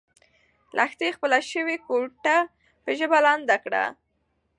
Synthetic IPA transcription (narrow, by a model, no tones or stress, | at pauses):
lʔaxt̪expəlaʃəwekoʈa | pəʒəbalɑnd̪akɽa̰